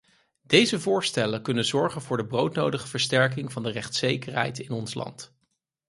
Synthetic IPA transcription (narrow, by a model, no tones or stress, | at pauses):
d̥ejzəvʊːɹstɛləkɵnənzɔɹχənvʊːɹdəbrowtnowdəχəvəɹstɛɹk̬ɪŋvɑndərɛχtsejkəɹɦɛ̰jtɪnɔnslɑ̰nt